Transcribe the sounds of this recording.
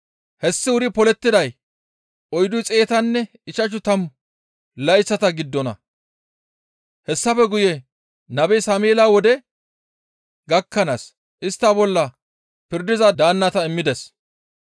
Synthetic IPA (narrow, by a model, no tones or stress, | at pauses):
hɛsːɪʊɾɪpɔlɛt̪ːɪd̪ɐj | ʔɔjd̪ʊt͡sʼe̞ːt̪ɐnːɛ | ɪʃɐʃʊt̪ɐm | lɐjst͡sːɐt̪ɐɡɪd̪ːɔnɐ̰ | hɛsːɐfɛɡʊjɛ | nɐbɛjsaːmeːlaːwɔd̪ɛ | ɡɐkːɐnas | ʔɪst̪ːabɔlːɐ | pɪɾd̪ɪzɐd̪aːnːɐt̪ɐɪmːɪd̪ɛs